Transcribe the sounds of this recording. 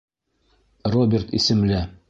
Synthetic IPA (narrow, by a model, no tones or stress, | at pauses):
robʲert̪ḭsɘ̆mlɘ